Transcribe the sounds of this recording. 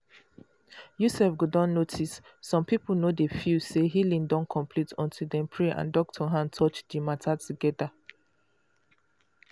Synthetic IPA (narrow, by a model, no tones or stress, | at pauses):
jusɛfɡudɔ̃nːotʰisːɔ̃mpipl̩nodefjuseɦilĩndɔ̃nkʰɔ̃mpʰlitʰɔ̰̃ntʰudɛ̃mpʰɹɛʔã̰ndɔk̚tʰɔɦãntʰɔt͡ʃdəmatʰatʰuɡɛda